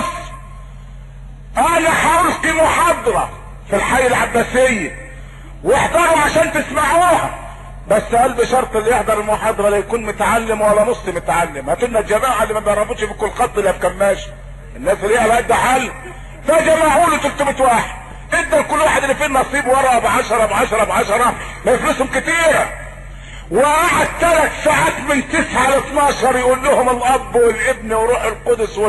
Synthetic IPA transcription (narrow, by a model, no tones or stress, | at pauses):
sˤ | ʔænæħaʔulkimʊħɑd̪ˤɑɾˤɑ | filħajːalʕabːæsɪjːæ | weħd̪ɑɾˤuʕaʃæːnt̪ɪsmaʕuːhæ | bæsːʔælbɪʃɑɾˤt̪ˤɪlːijeħd̪ɑɾˤɪlmʊħɑːd̪ˤɑɾˤɑlæjækuːnmʊt̪ʕalːɪmwælːæmosˤːimʊt̪ʕalːɪmhæt̪ɪnnːæt̪d͡ʒæmaːʕaliːmæt̪ɑrˤːɑbut̪ʃfikʊlːqɑt̪ˤːɪlːiʔæfkɑɾˤnæːʃ | ʔɪnːæːsɪlːiːʔælæʔɪd̪ːæħalː | fæd͡ʒæmaːʕuːlut̪ʊlt̪ɪbɪt̪waːħed̪̚ | ʔɪɡ̚d̪æɾkʊlːwaːħed̪elːifinːɑʔɑsˤiːbwɑɾˤɑʔbʕɑʃɑɾˤɑbʕɑʃɑɾˤɑbʕɑʃɑɾˤɑ | mæjɪflʊshʊmkɪt̪iːɾæ | wɪʔaʕad̪̚t̪ælæt̪saʕaːt̪mɪnt̪ɪsʕalɪt̪ˤnɑːʃɑɾˤjɪʔulːʊhʊmɪlʔɑbːwɪlʔɪbniwɾˤuːħɪlqod̪ʊswɪ